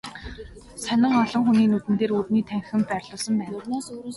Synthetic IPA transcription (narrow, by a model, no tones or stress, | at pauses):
sænə̆ŋɔɮɞ̆ŋxuniːnut̪ɘ̆nt̪eːrurniːt̪ʰæŋxɘ̆mpæːrɮʊːsə̆mpæːnaːsuɾuː